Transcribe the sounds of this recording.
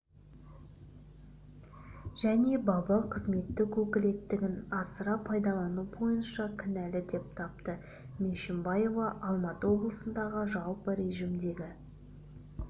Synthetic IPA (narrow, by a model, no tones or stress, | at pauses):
ʒ̥æne̞bɑbɑqʰəzme̞t̪ːɪkʰɵkʲɪle̞t̪ːɪɡʲɪnɑsəɾɑpʰɑjd̪ɑlˠɑnubo̞jənʃɑkʲʰɪnælɪd̪e̞p̚t̪ʰɑp̚t̪ə | mʲeʃɪmbɑjo̞vɑʔɑlˠmɑt̪əwo̞blˠəsənd̪ɑʁəʒɑlˠpəɾe̞ʒimd̪e̞ɡʲɪ